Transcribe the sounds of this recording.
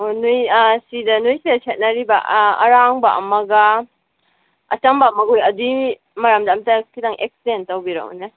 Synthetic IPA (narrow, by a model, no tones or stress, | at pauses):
onujsidɐnujsidɐsʰet̚nɐɾibɐɐ̰ɾaŋbaʔɐ̰mɐɡɐ | ɐt͡ʃɐmbaɐmɐɡojɐdu | mɐɾamdaːmtakʰidaŋʔekstentɐwbiɾa̰ṵne